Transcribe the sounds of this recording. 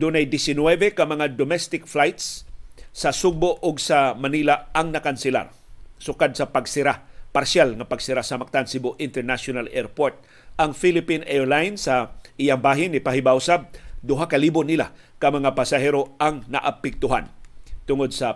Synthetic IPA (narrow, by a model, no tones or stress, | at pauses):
d̪ʊnajd̪ɪsɪnwɛvɛkɐmɐŋad̪omɛst̪ɪkflajt̪sː | ɐsʊɡ̚boʔʊɡsamanilaaŋnɐkansɪla̰ɾ | sʊkad̪̚sɐpaɡsɪɾapaɾʃjalŋɐpaɡsɪɾasɐmak̚t̪ansɪboʔɪnt̪ɛɾnaʃonalɛɹpoɹt̪̚ | ɐŋfilɪpinɛɹlajnsaʔɪjaŋbaːɦɪnːɪpaɦɪbawsad̪ʊɦakalibʊnɪla̰ | kɐmɐŋapasɐɦɛɾoaŋnɐ̰ʔapɛk̚t̪ʊɦa̰nt̪ʊŋod̪̚sɐ